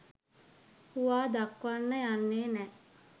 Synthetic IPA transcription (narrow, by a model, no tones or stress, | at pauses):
huʋaːd̪akʋanːəjanːeːnɛ